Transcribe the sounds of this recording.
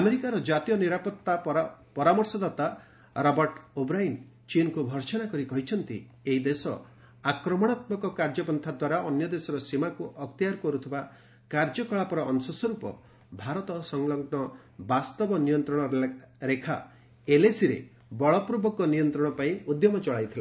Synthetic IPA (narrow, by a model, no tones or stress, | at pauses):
ameɾikaɾɔd͡ʒat̪ijɔniɾapɔt̪ːapɔɾamɔɾsɔd̪at̪a | ɾɔbɔɾʈobɾain | t͡ʃinkubʱɔɾt͡ʃɔnakɔɾikɔɦit͡ʃʰɔnt̪ḭ | eɦid̪esɔ̰ | akɾɔmɔɽ̃at̪mɔkɔkaɾd͡ʒɔpɔnt̪ʰad̪waɾaʔɔnjɔd̪esɔɾɔsimakuʔɔk̚t̪ijaɾkɔɾut̪ʰiba | kaɾd͡ʒɔkɔɭapɔɾɔːnsɔsɔɾupɔ̰ | bʱaɾɔt̪ɔsɔŋlɔŋnɔ | bast̪ɔbɔnijɔnt̪ɾɔɽ̃ɔɾekʰa̰ | elesiɾḛ | bɔɭɔpɾubɔkɔnijɔnt̪ɾɔɽ̃ɔpaĩud̪jɔmɔt͡ʃɔɭajt̪ʰila̰